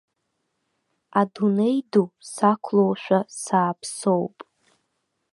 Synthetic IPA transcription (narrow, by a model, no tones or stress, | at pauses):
adunejdusakʷʰlowʃᶣasaːpʰso̞wpʼ